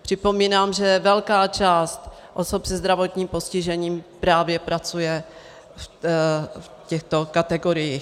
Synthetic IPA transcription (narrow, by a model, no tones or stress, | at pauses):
pr̝̥ɪpo̞miːnaːmʒɛvɛlkaːt͡ʃaːst̪ | ʔosopsɛzd̪ɾavo̞t̪ɲiːmpo̞scɪʒɛɲiːmpɾaːvjɛpɾat͡sujɛ | f | fcɛxt̪o̞kat̪ɛɡoɾɪjiː